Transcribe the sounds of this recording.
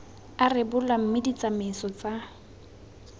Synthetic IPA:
arɪbʊlam̩mɪdit͡sʼamɪsɔt͡sa

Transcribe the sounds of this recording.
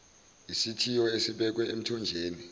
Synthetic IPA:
isitʰijɔesiɓɛk̬wɛem̩tʰɔnd͡ʒʱeːni

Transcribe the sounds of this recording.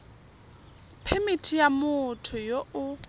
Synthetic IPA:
pʰɛmitʰijamʊtʰʊjoʊ

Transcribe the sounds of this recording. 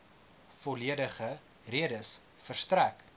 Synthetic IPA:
fɔliədəχə | riədəs | fərstræk

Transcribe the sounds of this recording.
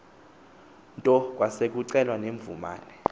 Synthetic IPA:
ntʼɔk̬ʼwasek̬ʼuǀɛlwaneɱvuma̰ːnɛ

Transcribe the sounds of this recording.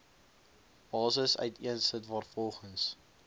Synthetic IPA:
bɑːsəsœ̰ɥtʰiənsətvɑːrfɔlˠχəns

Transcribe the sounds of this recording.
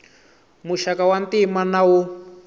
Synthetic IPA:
muʃakawantimanawu

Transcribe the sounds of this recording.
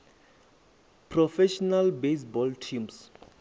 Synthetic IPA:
pʰrɔfɛʃɔnalbes̬bɔltʰĩms

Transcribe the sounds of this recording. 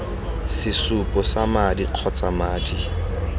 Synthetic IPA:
sɪsupʼɔsamadiq͡χʰɔt͡sʼamaːdi

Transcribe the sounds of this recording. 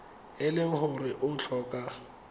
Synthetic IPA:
ɪlɪhʊrɪʔʊt͡ɬʰɔːkʼa

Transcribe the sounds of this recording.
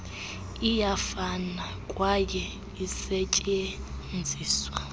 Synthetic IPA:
ijafana | kʼwajɛ | isecʼɛ | nd͡zʱiːswa

